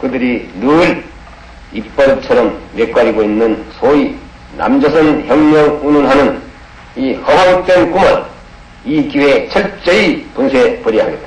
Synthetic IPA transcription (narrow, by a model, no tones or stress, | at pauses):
kɯdɯɾinuɾ | ipp̚p͈ʌɾt͡ɕʰʌɾʌmjek͈aɾiɡoinːɯnsʰoi | na̰md͡ʑʌsʰʌnçjʌŋɲʌɡununɦanɯn | ihʌbaŋ̚t͈enkumʌɾ | ikiwe̞t͡ɕʰʌɭt͡ɕ͈eipunsʰepʌɾiɦaɡet͈a